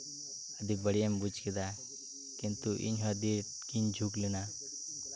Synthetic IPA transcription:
əd̪ibəɽiembut͡ʃkid̪a | kint̪uʔḭnɦɔd̪i | kind͡ʒʱuklina

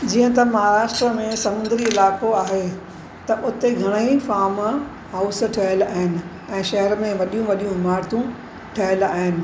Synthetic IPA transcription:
d͡ʑiːə̃t̪ɐmɐɦaːɾaːʃʈɾəmẽsɐmʊ̃nd̪əɾiɪlaːkoaːɦe | t̪ɐʔʊt̪eɡʱɐɽ̃əifaːɾm | ɦaːʊsʈʰɐɦəlaːɦɪnɪ̆ | ɛ̃ːʃɐɦəɾmẽʋɐɗijũʋɐɗijũmaːɾt̪ũ | ʈʰɐɦɪla̰ːɦɪnɪ̆

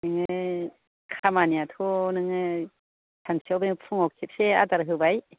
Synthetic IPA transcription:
nɯŋɯ | kʰamaniat̪ʰonɯŋɯ | tʰansʰiawbeŋɯpʰuŋɔkʰip̚sea̰taɾɦɯbaj

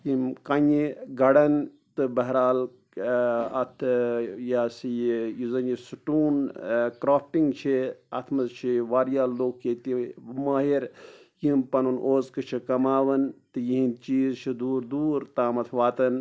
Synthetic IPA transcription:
jimkɐɲiɡɐɽɐn | t̪ɨbɐɦɾaːl | ɐt̪ʰjaːsijjizɐnjisuʈuːnkɾoːpʈiŋɡt͡ʃʰeɐt̪ʰmɐzt͡ʃʰiʋaːɾjaːlloːkʰet̪imaːɦiɾjimpɐnunʔoːzkɨt͡ʃʰikɐmaːʋɐnt̪ɨjiɦint͡ʃiːzt͡ʃʰid̪uːɾd̪uːɾt̪aːmɐt̪ʰʋaːt̪ɐn

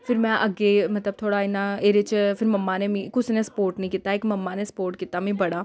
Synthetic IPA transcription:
fɪɾmɛ̃ʔɐɡemɐt̪ləb̚t̪ʰoːɽaɪnãeːɾet͡ʃfɪɾmɐmːanemĩkʊsnẽspoːɾʈnəĩkɪt̪aekmɐmːanespoːɾʈkit̪amĩbɐɽaː

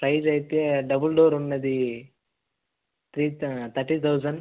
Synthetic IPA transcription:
pɾɐjd͡ʒɐjt̪jeɖɐbulɖoːɾunːɐd̪i | t̪ʰɾiːt̪ʰɐɾʈːiːt̪ʰɐwzɐn

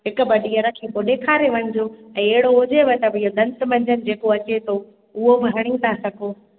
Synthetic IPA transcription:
ɦɪkʊ̆bɐɗijəɾɐkʰĩpoɗeːkʰaːɾeʋɐ̃ɲɪd͡ʑoɛ̃ːeɦɪɽoʊd͡ʑeʋot̪ɐbɪɦod̪ɐ̃nd̪mɐ̃ɲd͡ʑənɪ̆d͡ʑeːkoɐt͡ɕet̪ʰo | ʊɦobɪɦɐɽ̃it̪ʰasɐɡʱoː

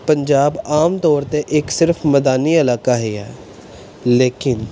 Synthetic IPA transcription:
pəɲd͡ʒaːbaːmt̪ɔːɾt̪eːʔɪksɪɾfʰməd̪aːniːəlaːkaːɦeːɛː | leːkɪn

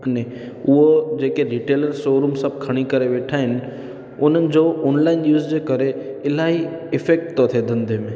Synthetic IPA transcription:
ne | ʊɦod͡ʑeːkeɾiːʈeːləɾsoːɾuːmsɐb̚ʱkʰɐɽ̃ikɐɾeʋeːʈʰaːɦɪnɪ̆ | ʊn̤ənɪ̆d͡ʑooːnlaːɪnjuːzd͡ʑeːkɐɾe | ɪlaːɦiɪfeːk̚ʈt̪ot̪ʰed̪ɐ̃nd̪ʱemẽ

